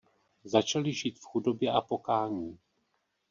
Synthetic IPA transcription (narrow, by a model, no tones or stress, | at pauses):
zat͡ʃalɪʒiːt̪fxudo̞bjɛʔapo̞kaːɲiː